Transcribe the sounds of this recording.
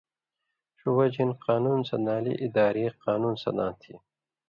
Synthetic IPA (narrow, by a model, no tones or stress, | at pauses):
ɕuwɐd͡ʑinqaːnunsɐnaːlḭʔid̪aːɾiːqaːnuːnsɐ̰d̪ã̰ːt̪ʰḭ